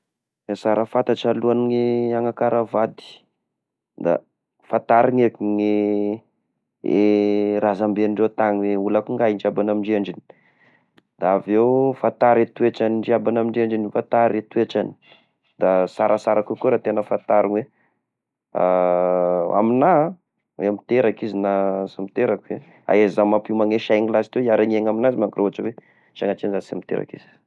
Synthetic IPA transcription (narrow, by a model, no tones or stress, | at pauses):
esaɾəfant̪aʈ͡ʂaluaniŋiaŋakaɾavad̪i̥ | d̪a̰ | fant̪aɾiŋekiŋi | eɾazambeniɳɖ͡ʐet̪aŋiweulakuŋɡaɦinɖ͡ʐiabanamiɳɖ͡ʐeɳɖ͡ʐini̥ | d̪aavewfant̪aɾet̪ueʈ͡ʂaniɖ͡ʐiabanamiɳɖ͡ʐeɳɖ͡ʐinifant̪aɾet̪uweʈ͡ʂani̥ | d̪asaɾasaɾakukuɾat̪enəfant̪aɾunwe | a | a̰mina | weamit̪eɾakizinasamit̪eɾakue | a̰ezamapimaŋeʃajŋilasi̥t̪wejaɾaɲeŋaminazimakiɾoɦaʈ͡ʂawe | t͡ʃaŋaʈ͡ʂenzasamit̪ḛɾa̰kḭz̥i̥